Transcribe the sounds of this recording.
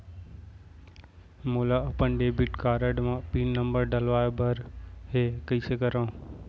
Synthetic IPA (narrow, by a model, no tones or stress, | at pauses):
moːlaɐpənɖeːbiʈkaːɾəɖmãːpiːnnɐ̃mbəɾɖɐlʋaːebʱɐɾɦeːkɐiːsekɐɾãː